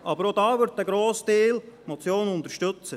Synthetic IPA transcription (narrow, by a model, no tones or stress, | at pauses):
ʔɑbəɾod̥ɑːʋʏɾt̚əɡɾoːsteːlmot͡sjoːnʊnt̪əɾʃtøt͡sə